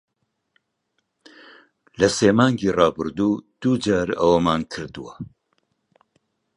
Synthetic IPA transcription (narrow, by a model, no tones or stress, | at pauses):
lɐseːmɑːŋɡiːrɑːbɨɾd̪uːd̪̥uːd͡ʒaːɾɐwɐmaːnkʰɨɾd̪ɨwa